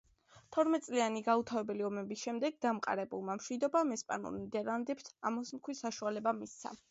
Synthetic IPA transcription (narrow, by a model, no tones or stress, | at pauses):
t̪ʰɔɾmɛt̪̚ʼsʼlianiɡaut̪ʰavɛbɛliɔmɛbisʃɛmd̪ɛɡd̪amqʼa̰ɾɛbṵlˠmamʃwid̪ɔbamɛspʼa̰nṵlˠnid̪ɛɾlˠand̪ɛpt̪ʰamɔsmkʰwisaʃualɛbamist̪sʰa̰